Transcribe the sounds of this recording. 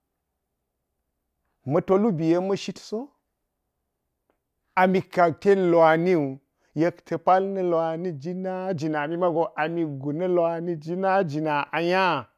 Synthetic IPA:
mɐ˨to˦lu˦bi˨je˦mɐ˦ʃi˦tso˦ | a˨mi˨ka˨ɡ̚te˦lo˨a˨ni˦u˨ | je˦ktʰɐ˨pa˦lnɐ˨la˨ni˦d͡ʒi˦na˦d͡ʒi˨na˨mi˦ma˦ɡo˨ʔa˨mi˨ɡu˨nɐ˦lo˦a˨ni˦d͡ʒi˦na˦d͡ʒi˨na˨ʔa˨ja˦˨

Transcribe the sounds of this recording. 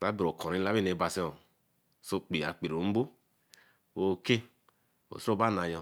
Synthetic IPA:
sa˦bi˨ɾo˨kʰɔ˨ɾi˦la˦i˦ne˨ba˨si˦o˨ | so˦k͡pi˨a˨k͡pe˨ɾo˨m̩˦bo˦ | wo˦˨ke˦ | o̰˨so˦ba˦na˨jɔ˧

